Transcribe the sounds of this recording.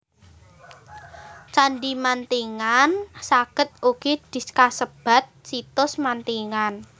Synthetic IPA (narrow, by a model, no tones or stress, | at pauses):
t͡ʃanɖimant̪iŋansakə̤t̪̚ukid̪̥i̤skasəb̥a̤t̪̚t͡ʃit̪ʊsmant̪iŋan